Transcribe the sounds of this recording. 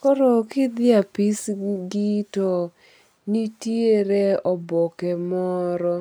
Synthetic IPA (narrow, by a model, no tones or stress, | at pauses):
kɔɾɔkɪd̪ɪapisɡitɔ | nitjeɾeɔbɔkɛmɔɾɔ